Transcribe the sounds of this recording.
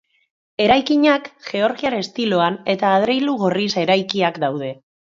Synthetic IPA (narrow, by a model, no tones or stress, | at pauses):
e̞ɾajkiɲakʝe̞o̞ɾɣiaɾe̞st̪ilo̞ane̞t̪aːð̞ɾe̞jluɣ̞o̞rise̞ɾajkiakd̪awðe̞